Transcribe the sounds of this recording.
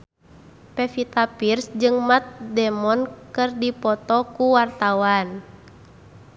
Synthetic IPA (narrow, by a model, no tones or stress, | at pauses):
pɛfit̪apirsd͡ʒɨŋmat̪̚dɛmɔnkɨrdipɔt̪ɔkuwart̪awan